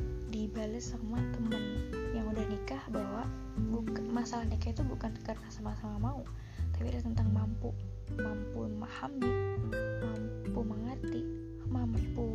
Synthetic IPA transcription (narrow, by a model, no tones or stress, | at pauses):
dibaləsamat̪əməŋjaŋudahnikahbaɦwaʔ | bukamasalahnakait̪ubukankarnasamasamamau | t̪apilat̪ənt̪aŋmampu | mampumahamdamampuməŋərt̪i | mampu